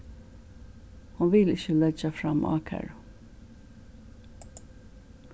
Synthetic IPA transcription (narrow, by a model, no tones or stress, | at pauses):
hʊnʋɪlɪçəlɛd͡ʒɑfɾɑmʔɑ̰ːkʰæ̰ɹ